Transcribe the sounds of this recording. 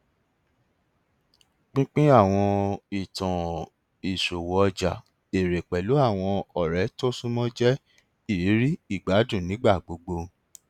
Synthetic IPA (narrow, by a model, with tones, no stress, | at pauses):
k͡pĩ˦k͡pĩ˦a˦˨w̃ɔ̃˧i˨tɔ̃˨ | i˨so˨wɔ˨ɔ˧d͡ʒa˨ | e˨ɾe˨k͡pɛ˨lu˨˦a˦˨w̃ɔ̃˧ɔ˨ɾɛ˨˦to˦sũ˦mɔ̃˦d͡ʒɛ˦ | i˦˨ɾi˨˦ɾi˦i˦˨ɡ͡ba˨˦dũ˦˨nĩ˨˦ɡ͡ba˦˨ɡ͡bo˧ɡ͡bo˧